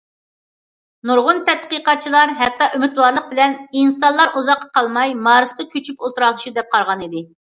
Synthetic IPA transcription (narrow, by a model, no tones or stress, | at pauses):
nuɾʁʊnt̪ʰɛt̪̚qiqɑt͡ʃʰilˠɑɾɦɛt̪ʰːɑʔymɪt̪wɑɾlˠəq̚bɪlɛninsɑnllˠɑɾuzɑqːɑ̥qʰɑlˠmɑjmɑːɾɨst̪ɨkʲʰøt͡ʃʰypolˠt̪uɾɑlˠɨʃud̪ɛp̚qʰɑɾʁɑnid̪ɪ